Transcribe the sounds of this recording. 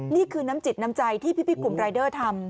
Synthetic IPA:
niː˥˩kʰɯː˧naː˦˥mt͡ɕi˨˩t̪̚na˦˥mt͡ɕa˧jt̪ʰiː˥˩pʰi˦˥pʰi˦˥˩ku˨˩mɾaː˧jdɤː˥˩t̪ʰa˧m

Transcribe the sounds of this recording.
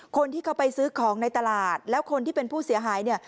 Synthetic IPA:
kʰo˧nt̪iː˥˩kʰa˦˥wpa˧jsɯː˦˥kʰɔː˩˦ŋna˧jt̪a˧laː˨˩t̪̚lɛː˦˥wkʰo˧nt̪ʰiː˥˩pe˧npʰuː˥˩si˨˩˦ɐɦaː˩˦jni˥˩ɐ

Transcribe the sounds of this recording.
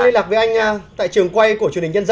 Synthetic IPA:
le˧nlaː˨˩veː˨˩ʔa˧jŋ̟˧t̪a̰ː˧˨jt͡ɕɨ˨˩əŋkwa˧jku˧ət͡ɕnhï˨˩ŋ̟ɲə˧nz

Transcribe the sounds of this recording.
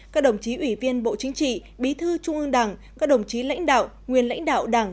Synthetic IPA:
kaː˦˥k̚ɗə˨˧˩wŋ͡mt͡ɕi˨˦ʔwi˧˩vi˧ənɓo̰˧˨t͡ɕï˨˦ŋ̟t͡ɕḭ˧˨ | ɓi˨˦t̪ʰɨ˧t͡ɕʊ˧ŋ͡mʔɨ˧ŋɗa˨˩ŋkaː˦˥k̚ɗə˨˩wŋ͡mt͡ɕi˨˦la̰˧˥jŋ̟ɗa̰ː˧˨w | ŋwi˨˩ənla̰˧˥jŋ̟ɗa̰ː˧˨wɗa˨˩ŋ

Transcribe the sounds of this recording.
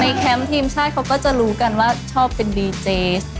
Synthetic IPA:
na˧jkʰɛ˦˥mt̪ʰiː˧mt͡ɕʰaː˥˩t̪̚kʰa˦˥wkɔː˥˩t͡ɕa˨ɾuː˦˥ka˧nwaː˥˩t͡ɕʰɔː˥˩pːe˧ndiː˧t͡ɕeː˨˧˦s

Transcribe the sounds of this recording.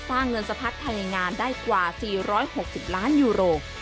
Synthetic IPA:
saː˥˩ŋːɤ˧nsa˧pʰa˦˥k̚t̪ʰːa˧jŋaː˧ndaː˥˩jkwaː˨˩siː˨˩ɾɔː˦˥jho˨˩k̚si˨˩p̚laː˦˥njuː˧ɾoː˧

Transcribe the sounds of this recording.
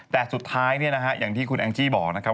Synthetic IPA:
t̪ɛː˨˩su˨˩t̪ʰːaː˦˥jni˥˩ɐna˦˥kʰa˦˥ʔjaː˨˩ŋt̪ʰiː˥˩kʰu˧nʔaː˧ŋt͡ɕiː˥˩bɔː˨˩k̚na˦kʰa˦˥

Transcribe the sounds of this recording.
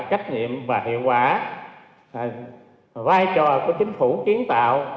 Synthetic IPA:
t͡ɕa˦˥jk̚ɲḭ˧˨əmvaː˨˩tḭ˧˨əwkwaː˧˩˨ | vaː˧jt͡ɕɔ˨˩ku˧˩ət͡ɕï˨˦ŋ̟fu˧˩ki˨˦ənt̪a̰ː˧˨w

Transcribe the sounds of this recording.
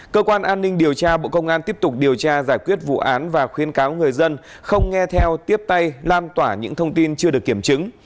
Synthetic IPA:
kəː˧kwaː˧nʔaː˧nːï˧ŋ̟ɗi˨˩əwt͡ɕaː˧ɓo̰˧˨kə˧wŋ͡mʔaː˧nt̪i˦˥əp̚t̪ʊ˨˩k͡p̚ɗi˨˩əwt͡ɕaː˧zaː˧˩jkwi˦˥ət̚vṵ˧˨ʔaː˨˦nvaː˨˩xwi˨˦ənkaː˨˦wŋɨ˨˩əjzə˧n | xə˧wŋ͡mŋɛ˧t̪ʰɛ˧wt̪i˦˥əp̚t̪a˧jlaː˧nt̪waː˧˩ɲɨ̰˧˥ŋt̪ʰə˧wŋ͡mt̪i˧nt͡ɕɨ˧əɗɨ˨˩əkːi˧˩əmt͡ɕɨ˨˦ŋ

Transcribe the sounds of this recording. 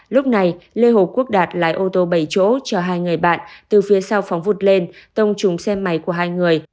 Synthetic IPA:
lʊ˦˥k͡p̚na˨˩jle˧ɦo˨˩p̚ku˦˥ək̚ɗaː˨˩t̚la̰ː˧˥jʔo˧t̪o˧ɓə˧˩jt͡ɕo̰˧˥t͡ɕɔ˧ɦaː˧jŋɨ˨˩əjɓa̰ː˧˨nt̪ɨ˨˩fi˨˦əsa˧wfa˨˦wŋ͡mvu˨˩t̚le˧nt̪ə˧wŋ͡mt͡ɕʊ˨˦ŋ͡msɛ˧mːa˨˦jku˧˩əɦaː˧jŋɨ˨˩əj

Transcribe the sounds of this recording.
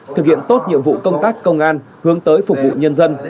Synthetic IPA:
t̪ʰɨ˨˩k̚hḭ˧˨ənt̪o˦˥t̚ɲḭ˧˨əmvṵ˧˨kə˧wŋ͡mt̪aː˦˥kːə˧wŋ͡mʔaː˧n | hɨ˨˦əŋt̪əː˨˦jfʊ˨˩k͡p̚vṵ˧˨ɲə˧nzə˧n

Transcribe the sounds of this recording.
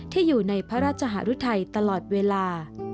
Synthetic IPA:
t̪ʰiː˥˩juː˨˩na˧jpʰɾa˦˥ɾaː˥˩t̪̚t͡ɕʰa˧ɦa̰˩˦˥ɾu˦˥t̪ʰa˧jt̪a˧lɔː˨˩t̪̚weː˧laː˧

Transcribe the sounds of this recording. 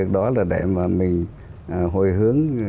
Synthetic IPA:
ək̚ɗɔ˨˦laː˨˩ɗḛ˧˩maː˨˩mï˨˩ŋ̟ | ʔɦo˧˩jɦɨ˨˦əŋ

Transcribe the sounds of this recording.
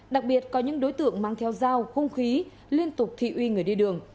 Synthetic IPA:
ɗa˨˩k̚ɓi˨˩ət̚kɔ˨˦ɲɨ̰˧˥ŋɗo˨˦jt̪ɨ̰˧˨əŋmaː˨˧ŋt̪ʰɛ˨˦wzaː˧wxə˧wŋ͡mxi˨˦ | li˧ənt̪ʊ˨˩k͡p̚t̪ʰḭ˧˨ʔwi˧ŋɨ˨˩əjɗi˧ɗɨ˨˩əŋ

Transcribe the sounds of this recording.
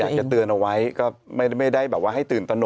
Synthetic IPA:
aː˨˩kt͡ɕa˨˩t̪ɯ˧ənʔa˧wa˦˥jkɔː˥˩ma˥˩ma˥˩jda˥˩jbɛː˨˩p̚waː˥˩ɦa˥˩jt̪ɯː˨˩nt̪a˧no˨

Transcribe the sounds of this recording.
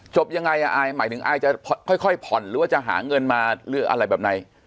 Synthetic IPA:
t͡ɕʰo˨˩p̚ja˧ŋa˧jʔa˧ʔaː˧jmaː˨˦jt̪ʰɯ˨˩˦ŋʔa̰ː˧jt͡ɕa˨˩pʰkʰɔ˥˩jkʰɔ˥˩jpʰɔ˨˩nɾɯː˨˦waː˥˩t͡ɕa˨˩ɦa̰ː˩˦ŋɤ˧nmaː˧lɯ˦˥ʔa̰˧ɾa˧jbɛː˨˩p̚na˨˦j

